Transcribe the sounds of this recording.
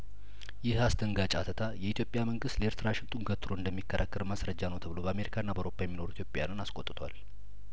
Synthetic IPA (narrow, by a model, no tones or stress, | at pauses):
jɪhasd̪ʰəŋɡat͡ʃʼa̰t̪ʰət̪ʰajɛit̪ʰjo̞pʼjaməŋɡɨst̪leɾt̪ʰɨɾaʃɪnt̪ʼuŋɡət̪ʰːɾoɨnd̪əmːikʰːəɾʔa̰kːəɾmasɾəd͡ʒːanəwt̪ʰəβɨlo̞bəame̞ɾikʰanːabəʔwɾopʰːajɛmːino̞ɾuit̪ʰjopʼjanɨnaskʼot̪ʼɨt̪ʰwa̰l